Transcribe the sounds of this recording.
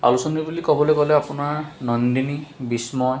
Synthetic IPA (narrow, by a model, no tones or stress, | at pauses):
a̰lusɔnibulikɔbɔlojkɔlɛapʊnaɹnɔnd̪inibismɔ